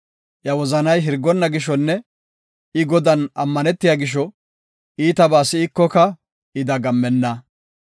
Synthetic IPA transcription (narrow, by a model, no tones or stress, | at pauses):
ʔjɐwɔzɐnɐjɦɪɾɡːɔnːɐɡɪʃɔnːɛ | ɪɡɔd̪ɐnɐmːɐnɛt̪ːɪjaːɡɪʃ̬ɔ | ʔiːt̪ɐbaːsɪɪkːɔkɐ | ɪd̪ɐɡɐmːɛnːɐ